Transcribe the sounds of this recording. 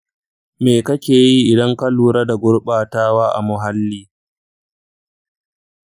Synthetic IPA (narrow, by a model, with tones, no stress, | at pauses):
meː˨kɐ˦kʲeː˨ji˦ʔɪ˨dɐ˦ŋkɐ˦luː˨ɾa˦da˨ɡʷʊ˦ɽɓaː˨taː˦waː˦ʔa̰˨mʊ˨ɦa˦lːiː˦